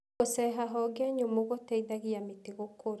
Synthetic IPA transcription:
osɛɦaɦɔɡaɲomoɣotɛiðaɣiamiteɣokʰoɾ

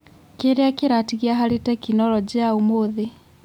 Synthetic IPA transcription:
keɾeakeɾatiɣiaɦalitɛkinɔlɔd͡ʑiaumoði

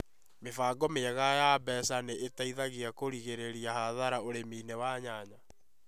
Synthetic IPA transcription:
mefaɡɔmeaɣajabɛsaneʔetaiðaɣiakoɾiɣeɾeɾiahaðaɾaoɾemiːnɛwaɲaːɲa

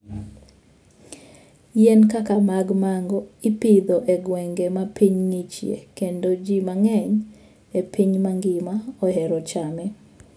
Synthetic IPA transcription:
jɛnkakamaɡmaŋɡɔipid̪ɔʔeɡwɛŋɡemapiɲŋit͡ʃjḛkendod͡ʒimaŋɛɲ | epʰiɲmaŋɡɪmaɔɦɛɾɔt͡ʃamɛ

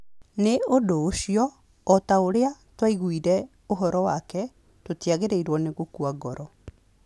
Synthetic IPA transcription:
neodoːɕiɔː | taoɾeatwaiɣwiɾɛ | oɦɔɾɔwakɛ | totiaɣeɾeiɾwɔneɣokuaɣɔɾɔ

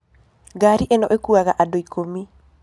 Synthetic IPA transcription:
ɡaɾiʔenɔʔekuaɡaʔadoikomi

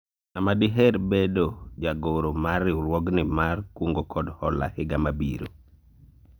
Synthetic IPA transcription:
amadɪɦɛɾbedod͡ʒaɡoɾomarɪlwɔɡnɪmarkwoŋɡokʰɔdhɔ̰la̰hɪɡamabḭɾo̰

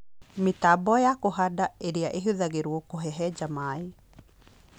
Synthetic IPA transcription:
metabɔjakoɦadaeɾeaʔeɦuðaɣeɾwokoɦɛɦɛd͡ʒamae

